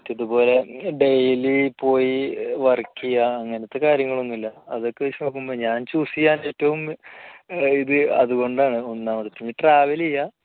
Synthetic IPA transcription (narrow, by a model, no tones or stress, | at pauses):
tːɐðubo̞ːle̞ɖejlipo̞ːjiʋɐrkːijaːŋːɐnɐt̪ːekaːɾjɐŋːɐɭonːilːɐɐðo̞kːeʋɐʂɐmɐkːumbɐɲaːnt͡ɕuːsikʲːaːneːtːɐʋum | iðɨɐ̰ðuɣo̞ɳɖaːɳɨonːnaːmɐðut̪ːɐɲiʈraːʋɐlijːa